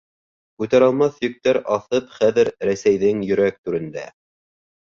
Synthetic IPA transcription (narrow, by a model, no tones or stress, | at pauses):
kʉt̪æɾɑlˠmɑθjɵ̆k̚t̪æɾɑθɤpχæðɘɾɾæsæjðɘŋjɵ̆ɾæk̚t̪ʉɾɘ̆nd̪æ̰